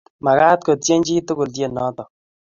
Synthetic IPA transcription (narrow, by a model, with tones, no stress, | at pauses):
ma˨ka˦t̚ko˨tje˦ɲd͡ʒi˦tu˦kʊ˨lt̬je˦˨nɔ˨˦tɔ˨